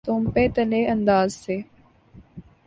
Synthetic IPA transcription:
t̪oːmpeːt̪əleːʔənd̪aːzseː

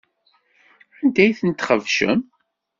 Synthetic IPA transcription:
ænd̪æjθənt̪χəvʃə̰m

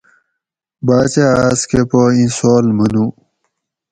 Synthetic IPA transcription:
baːt͡ɕeaːskepoĩsoːlmɐnu

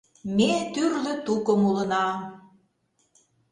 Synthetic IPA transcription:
met̪yrlə̆t̪ukəmulə̆nɑm

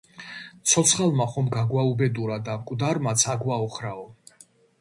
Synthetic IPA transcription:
t̪sʰɔt̪sʰχalˠmaχɔmɡaɡwaubɛd̪uɾad̪amkʼvd̪aɾmat̪sʰaɡwaɔχɾaɔ

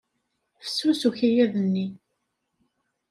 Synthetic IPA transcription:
fə̥susuçijæðənːi

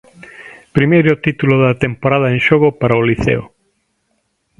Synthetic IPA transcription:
pɾimejɾot̪it̪uloðɐt̪empoɾað̞ɐẽŋʃoɣʊpaɾɐʊliθḛʊ

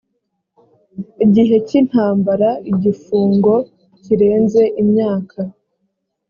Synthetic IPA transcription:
iɟiɦe̞cin̥haːmbaɾaiɟifuːŋɡo̞ | ciɾe̞ːnze̞ʔimɲaːkʰa

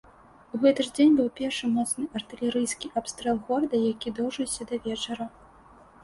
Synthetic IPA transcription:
uɣɛt̪ɨʐd͡zʲenʲbɨwpʲɛrʂɨmɔt̪snɨʔɐrt̪ɨlʲɛɾɨjskʲiʔapst̪ɾɛlˠɣɔrɐd̪ɐjakʲid̪ɔwʐɨwsʲɐd̪ɐvʲɛt͡ʂɐɾɐ

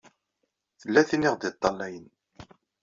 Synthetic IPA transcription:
θəlːæθiniʁd̪ɪt̪ˤːɑlːæjən

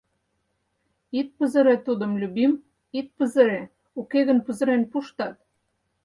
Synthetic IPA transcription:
it̪̚pə̆zə̆ɾet̪ud̪ə̆mlʲyβim | it̪̚pə̆zə̆ɾe | ukeɣə̆npəzɤ̆ɾenpuʃt̪ɑt̪

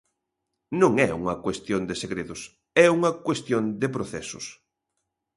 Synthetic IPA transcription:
nõŋɛṵŋɐkwest̪jond̪ɪseɣɾeðʊs | ɛuŋɐkwest̪jond̪epɾoθɛsʊ̰s

